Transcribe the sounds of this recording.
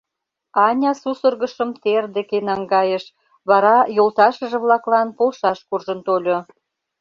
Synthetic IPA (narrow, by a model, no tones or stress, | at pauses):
ɑnʲɑsusərɣəʃə̆mt̪erd̪ekenɑŋɡɑjəʃ | βɑɾɑjolt̪ɑʃə̆ʒə̆βlɑklɑnpolʃɑʃkurʒənt̪olʲo